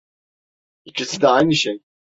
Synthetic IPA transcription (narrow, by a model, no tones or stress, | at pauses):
icʰisid̪ɛajnɯʃej